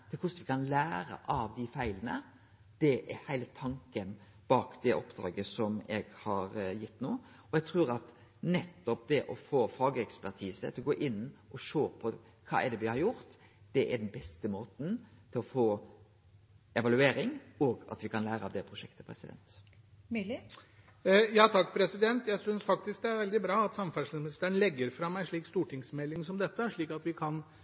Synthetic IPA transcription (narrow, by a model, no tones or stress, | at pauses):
t̪ʰɪlkʰʊsnʋɪkʰɑnlæːɾə̰ʔɑʋd̪ɪfæɪlənə̰ | d̪̥ɛʔɛɾhæɪlət̪ʰɑŋkən | b̥ɑːkd̪ɛʔɔpd̪ɾɑ̰ːɡəsɔmɛɡhɑɾjɪt̪ːnuː | ɔɛɡ̚t̪ʰɾʉːɾɑt̪ | nɛt̪ːɔp̚d̪ɛʔɔfoːfɑːɡəɛkspæɾt̪ʰiːsə̰t̪ʰɪlɔɡoːʔɪnːʔɔʂoːpʰɔ | kʰɑ̰ːɛɖ̪ɛʋɪhɑɾjʊɾt̪ | d̪̥ɛʔɛɖ̪ɛnbɛst̪əmoːt̪n̩t̪ʰɪlɔfoː | ɛʋɑlʉeːɾɪŋɔɡɑ̰t̪ʋɪkʰɑnlæːɾəɑʋd̪ɛpʰɾʊʂɛkt̪ə̥pʰɾɛ̰sɪd̪ɛ̰nt̪ː | jɑːt̪ʰɑkːpʰɾɛsɪd̪ɛnt̪jæɪsʏnsfɑk̚t̪ɪsk̚d̪ɛæɾʋɛld̪ɪbɾɑːɑt̪sɑmfæʂmɪnɪst̪æːɳlɛɡːəɾfɾɑmɛɪnʂɭiːkst̪uːʈʰɪŋsmɛlːɪŋsɔmd̪ɛt̪ːəʂɭiːkɑt̪ʋɪkʰɑn